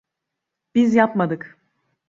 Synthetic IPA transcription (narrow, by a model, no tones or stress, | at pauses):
b̥izjapmad̪ɯk